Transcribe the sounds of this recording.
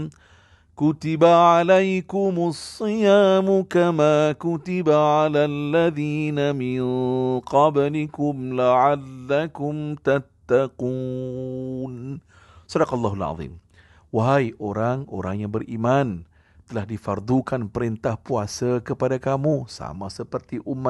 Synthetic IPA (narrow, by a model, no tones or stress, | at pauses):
kʊt̪ibaʕalajkʊmasˤːɨjaːmukamaːkʊt̪ɪbaʕalalːaðiːnamɪnqɑblɪkʊmlaʕalːakʊmt̪at̪ːaquːn | sɔdaqalːaɦalɑ̰ðˤḭm | waɦajʔoɾaŋo̰ɾaŋjaŋbərʔiman | t̪əlahdifard̪ukanpəɾint̪ahpuasakəpadakamũsa̰masəpərt̪iʔumːa